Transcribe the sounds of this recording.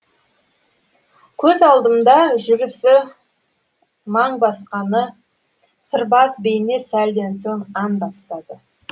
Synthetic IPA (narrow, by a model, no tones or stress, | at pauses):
kʲʰɵzɑlˠd̪əmd̪ɑʒʏɾɪsɪ | mɑɴbɑsqɑnə | səɾbɑsbejɪne̞sæld̪e̞nsoɴɑnbɑst̪ɑd̪ə